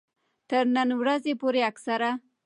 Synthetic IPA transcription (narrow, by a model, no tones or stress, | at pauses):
t̪əɾnənwɾazepoɾeaksaɾa